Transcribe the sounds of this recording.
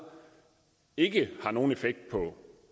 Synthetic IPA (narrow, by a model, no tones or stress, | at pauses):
e̝ɡ̥əhɑ̈no̝ːn̩e̝feɡ̥̚d̥̚pʰɒ̽